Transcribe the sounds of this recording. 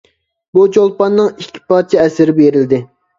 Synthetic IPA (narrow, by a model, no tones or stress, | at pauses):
but͡ʃolˠpɑnːɨŋikʲʰːi̥pɑɾt͡ʃʰɛɛsɪɾɪbeɾɪld̪ɪ